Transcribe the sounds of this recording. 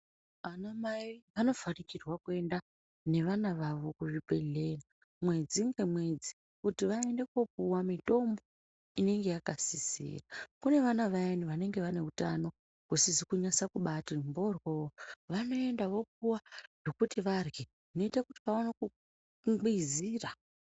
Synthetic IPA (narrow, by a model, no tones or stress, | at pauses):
anamaiʋano̞vanikirwakue̞nda | ne̞ʋanaʋaʋo̞kuʐipe̞ɮe̞na | mwe̞d͡ziŋɡemwe̞d͡zi | kutiʋae̞nde̞ko̞puwamito̞mbo̞ | ine̞ŋɡe̞jakasisḭːrakune̞ʋanaʋajeniʋane̞ŋɡe̞ʋane̞utano̞ | kusizikuɲasakuɓatimbo̞rwoʋano̞e̞ndaʋo̞p̚uwano̞kutiʋarɡe | no̞itakuti̥kaonaku | ɡiziːra